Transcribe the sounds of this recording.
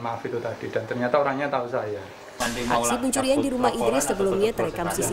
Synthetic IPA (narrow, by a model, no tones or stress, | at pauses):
mafit̪ut̪ad̥idant̪ərɲat̪aoɾaŋɲat̪ausaja | ʔa̰sipuɲt͡ʃuɾiandiɾumaɦidɾɪsːəbəlumɲat̪əɾekamsisi